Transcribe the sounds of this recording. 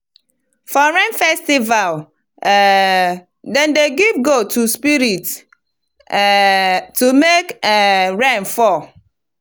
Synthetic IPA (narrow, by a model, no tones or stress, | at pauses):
fɔɹɛ̃nfɛstival | dɛ̃ndeɡivɡotʰuspiɾit | tumekɛɹɛnfɔ